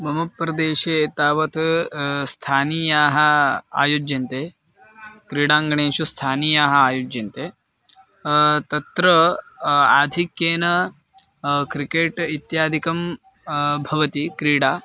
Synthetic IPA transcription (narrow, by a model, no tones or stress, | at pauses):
bʱɐmɐpːɾɐd̪eːʃeːt̪aːʋɐt̪st̪ʰaːniːjaːɦɐ̆a̰ːjoːd͡ʒjɐnt̪eː | kɾiːɽaːŋɡɐɳeːʃust̪ʰaːniːjaːɦɐaːjoːd͡ʒjɐnt̪eː | t̪ɐt̪ɾɐ | aːd̪ʱikjeːnɐ | kɾikeːʈit̪jaːd̪ʱikɐm | bʱɐʋɐt̪ikɾiːɽaː